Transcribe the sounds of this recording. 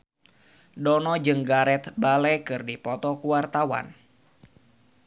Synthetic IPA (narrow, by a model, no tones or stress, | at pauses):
dɔnɔd͡ʒɨŋɡaɾɛt̪balɛkɨrdipɔt̪ɔkuwart̪awa̰n